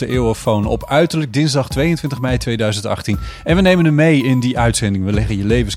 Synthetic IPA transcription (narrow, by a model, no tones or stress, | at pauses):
əʔɪːwəfownɔ̰pœɥtəɹləɡ̚dɪnzdɑχtʋejəntʋɪntəχmɛjtʋejdœɥzəntɑ̰χtinɛnʋənejmənəmejɪndiʔœɥtsɛndɪŋʋəlɛχənjəlejvəns